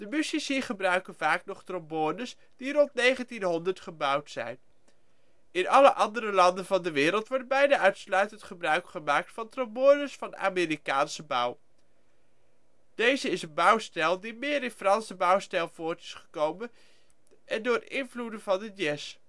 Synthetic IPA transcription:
d̥əmysisiχəbrœɥkənvaːknɔχtrɔmbʊnəs | d̥irɔntnejχəntinɦɔndəɹtχəbʌwtsɛ̰jn | ɪnɑləʔɑndəɾəlɑndənvɑndəʋɪːɾəlˠtʋɔɹd̚bɛjnaːʔœɥtslœɥtəntχəbrœɥkχəmaːk̚tfɑntrɔmbʊnəsfɑna̰ːmɪːɾikaːnsəbʌw | d̥ejzəɪsənbʌwstɛlˠdimɪːɾɪnfrɑnsəbʌwstɛlˠvʊːɹtɪ̥sχə̥kowmən | ʔɛndʊːɪnvludəvɑnəjɛs

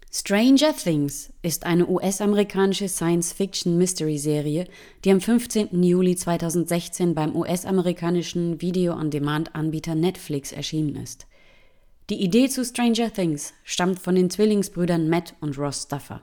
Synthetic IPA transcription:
stʁ̥eɪnd͡ʒɐθɪŋs | ʔɪstʔaɪnəʔuːʔɛsʔaməʁikʰaːnɪʃəsaɪənsfɪk̚ʃn̩mɪstəʁizeːʁiə | d̥iːamfʏnft͡seːntn̩juːlit͡sv̥aɪtʰaʊzn̩tz̥ɛçt͡seːnbaɪmʔuːʔɛsʔa̰məʁikʰaːnɪʃn̩viːdeoʔa̰ndemantʔanbiːtʰɐnɛtflɪksɛ̰ɐʃiːnənɪ̰st | d̥iːʔideːt͡sustʁ̥ɛɪnʒɐθɪŋsʃtamtfɔndeːnt͡sv̥ɪlɪŋsb̥ʁyːdɐnmɛtʰʊntʁɔstafɐ̰

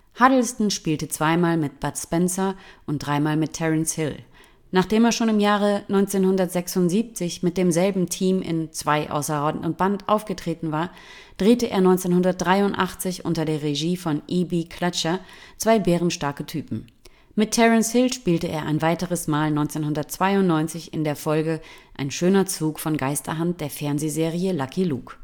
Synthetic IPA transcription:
hadl̩stn̩ʃpiːltət͡sv̥aɪmaːlmɪt̚b̥atspɛnsɐʔʊnt̚d̥ʁaɪmaːlmɪtʰɛʁənshɪl | naːχd̥eːmeːɐʃoːnɪmjaːʁənɔʏnt͡seːnhʊndɐtz̥ɛksʊntz̥iːp̚t͡sɪçmɪt̚d̥eːmzɛlbm̩tʰiːmʔɪ̰nt͡sv̥aɪʔa̰ʊsɐʁɔdn̩ʊnb̥antʔa̰ʊfɡ̥ətʁ̥eːtn̩vaːɐ | d̥ʁeːtəʔeːɐnɔʏnt͡seːnhʊndɐt̚d̥ʁaɪʊntʔa̰χt͡sɪçʔʊ̰ntɐdeːɐʁeʒiːfɔnʔibikʰlat͡ʃɐt͡sv̥aɪbeːʁ̞ənʃtaɐkətʰyːpm̩ | mɪtʰːɛʁənshɪlʃpiːltəʔḛːɐʔaɪnvaɪtəʁəsmaːlnɔʏnt͡seːnhʊndɐt̚t͡sv̥aɪʊntnɔʏnt͡sɪçɪndeːɐfɔlɡəʔaɪnʃøːnɐt͡suːkfɔnɡaɪstɐ̰ɦant̚d̥eːɐfɛɐnzeːzeːʁiəlakʰilṵːk

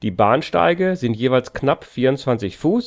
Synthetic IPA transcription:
d̥iːbaːnʃta̰ɪɡəzɪntjeːvaɪlsknapfiːɐʊntt͡sv̥ant͡sɪçfuːs

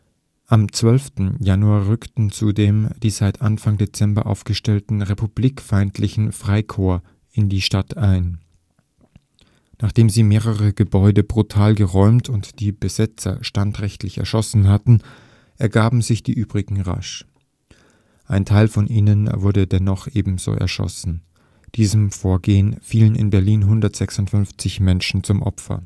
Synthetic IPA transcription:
ʔamt͡sv̥œlftn̩januaːɐʁʏktn̩t͡sudeːmd̥iːzaɪtʰʔanfaŋdet͡sɛmbɐ̰ʔa̰ʊfɡ̥əʃtɛltn̩ʁepub̥liːkfaɪntʰlɪçn̩fʁ̥aɪkʰoːɐ | ʔɪndiːʃtatʔaɪn | naːχd̥eːmziːmeːʁəʁəɡ̥əbɔʏdəbʁutʰaːlɡəʁɔʏmtʰʊntd̥iːb̥əzɛt͡sɐ̰ʃtantʁɛçtlɪçɛ̰ɐʃɔsn̩ɦatn̩ | ʔɛɐɡaːbm̩zɪçd̥ḭːʔyːb̥ʁɪɡŋ̩ʁa̰ʃ | ʔaɪntʰaɪlfɔnʔiːnənvʊɐɾədɛnɔχʔeːbm̩z̥o̰ːʔɛ̰ɐʃɔ̰sn̩ | d̥iːzəmfoːɐɡeːənfiːlənɪ̰nbɛɐliːnɦʊndɐtz̥ɛksʊntfʏnft͡sɪçmɛnʃn̩t͡sʊmʔɔ̰pfɐ̰

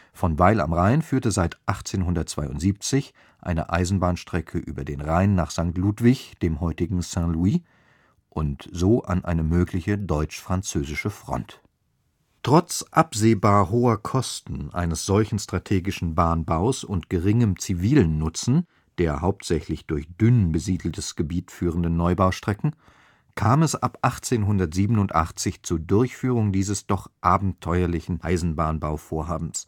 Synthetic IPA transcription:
fɔnvaɪla̰mʁaɪnfyːɐtəzaɪtʔaχt͡seːnɦʊndɐt̚t͡sv̥aɪʊ̰ntz̥iːp̚t͡sɪç | ʔa̰ɪnə̰ʔa̰ɪzn̩baːnʃtʁ̥ɛkʰəʔy̰ːbɐdeːnʁaɪnːaːχz̥aŋk̚tluːtv̥ɪçd̥eːmhɔʏtɪɡŋ̩sɛ̃lui | ʔʊntz̥oːʔa̰nʔa̰ɪnəmøːklɪçədɔʏt͡ʃfʁ̥ant͡søːzɪʃəfʁ̥ɔ̰nt | tʁ̥ɔt͡sʔapz̥eːbaːɐɦoːɐkʰɔstn̩ʔa̰ɪnəsz̥ɔlçn̩stʁ̥atʰeːɡɪʃn̩baːnbaʊsʊntɡ̥əʁɪŋəmt͡siviːlənːʊt͡sn̩ | d̥eːɐɦaʊp̚tz̥ɛçlɪçd̥ʊɐçd̥ʏnbəziːdl̩təsɡ̥əbiːtfyːʁəndənːɔʏbaʊʃtʁ̥ɛkŋ̩ | kʰaːmɛsʔapʔaχt͡seːnɦʊndɐtz̥iːbənʊntʔa̰χt͡sɪçt͡suːɐdʊɐçfyːʁ̞ʊŋdiːzəsd̥ɔχʔaːbm̩tʰɔʏɐlɪçn̩ʔa̰ɪzn̩baːnbaʊfoːɐɦaːbm̩s

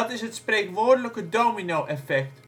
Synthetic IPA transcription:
tɪsɦətsprejkʋoːrdələkədoːminowʔɛfɛk̚t

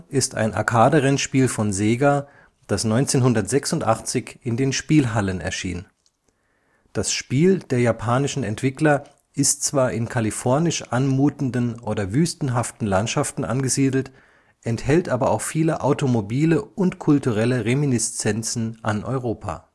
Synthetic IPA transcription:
ʔɪsta̰ɪnʔa̰ɐkʰaːdəʁɛnʃpiːlfɔnzeːɡa | d̥asnɔʏnt͡seːnɦʊndɐtz̥ɛksʊntʔa̰χt͡sɪçɪndeːnʃpiːlɦalənɛ̰ɐʃḭːnən | d̥asʃpiːldeːɐjapʰaːnɪʃn̩ɛntv̥ɪklɐ | ʔɪstt͡sv̥aːɐʔɪnkʰalifɔɐnɪʃʔanmuːtn̩dənʔoːdɐvyːstn̩ɦaftn̩lantʃaftn̩ʔanɡəziːdl̩t | ʔɛnthɛltʔaːbɐʔaʊxfiːləʔaʊtomobiːləʊntkʰʊltuʁɛləʁeminɪst͡sɛnt͡sn̩ʔanʔɔ̰ʏʁoːpʰa̰ː

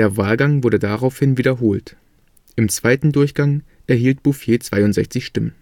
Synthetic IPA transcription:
eːɐvaːlɡaŋvʊɐɾədaʁaʊfhɪnviːdɐɦoːlt | ʔɪmt͡sv̥aɪtn̩dʊɐçɡ̥aŋ | ʔɛɐɦiːlt̚b̥ufjeːt͡sv̥aɪʊntz̥ɛ̰çt͡sɪçʃtɪmən

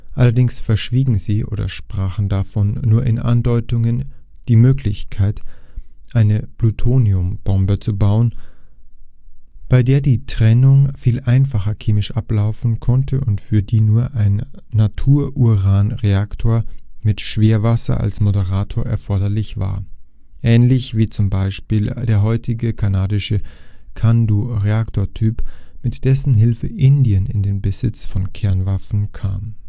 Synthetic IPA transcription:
ʔalɐdɪŋsfɛɐʃv̥iːɡŋ̩ziːʔo̰ːdɐ̰ʃpʁ̥aːχn̩dafɔnːuːɐʔɪnʔa̰ndɔʏtʊŋən | d̥iːmøːkʰlɪçkʰaɪtʔaɪnəplutʰoːniʊmb̥ɔmbət͡subaʊən | b̥aɪdeːɐdiːtʁ̥ɛnʊŋfiːlʔaɪnfaχɐkʰeːmɪʃʔaplaʊfn̩kʰɔntʰəʊntfyːɐdiːnuːɐʔaɪnːatʰuːɐʔuʁaːnʁeaktʰoːɐmɪtʃv̥eːɐvasɐ̰ʔa̰lsmodəʁaːtʰoːɐʔɛ̰ɐfɔɐdɐlɪçv̥a̰ːɐ | ʔɛːnlɪçv̥iːt͡sʊmbaɪʃpiːld̥eːɐɦɔʏtʰɪɡəkʰanaːdɪʃəkʰanduːʁeaktʰoːɐtʰyːpmɪtd̥ɛsn̩ɦɪlfəʔɪndiənɪ̰ndeːnbəz̥ɪt͡sfɔnkʰɛɐnvafn̩kʰa̰ːm

